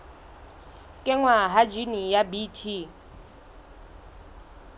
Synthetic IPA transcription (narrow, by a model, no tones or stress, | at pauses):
kʼɪŋwaɦad͡ʒinijabitʰi